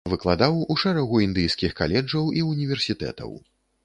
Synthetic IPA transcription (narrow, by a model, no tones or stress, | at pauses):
vɨklˠad̪awuʂɛɾɐɣuind̪ɨjskʲixkalʲɛd͡ʐɐwiunʲivʲɛrsʲit̪ɛ̰t̪ɐ̰w